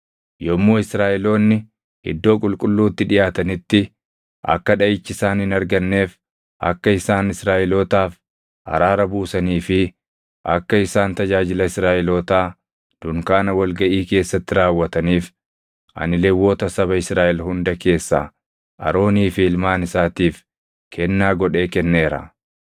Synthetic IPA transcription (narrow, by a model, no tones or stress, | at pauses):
jɔmːoːɪsɾaːʔɛlo̞ːnːɪ | hɪ̰d̪ːo̞ːkʼʊlkʼʊlːuːt̪ːɪᶑɪjaːt̪ɐnɪt̪ːɪ | ʔɐ̰kːɐᶑɐʔɪt͡ʃːɪsaːnhɪnɐɾɡɐnːe̞ːf | ʔɐ̰kːɐɪsaːnɪsɾaːʔɛloːt̪aːf | ɐ̰ɾaːɾɐbuːsɐniːfɪ | ʔɐ̰kːɐɪsaːnt̪ɐd͡ʒaːd͡ʒɪlɐɪsɾaːʔɛloːt̪aː | d̪̥ʊŋkaːnɐwɐlɡɐʔiːke̞ːsːɐt̪ːɪɾaːwːɐt̪ɐniːf | ʔɐ̰nɪlɛwːo̞ːt̪ɐsɐβɐɪsɾaːʔɛlhʊnd̪ɐke̞ːsːa̰ː | ʔɐ̰ɾo̞ːniːfɪɪlmaːnɪsaːt̪iːf | kʰɛnːaːɡɔᶑe̞ːkɛnːe̞ːɾɐ̰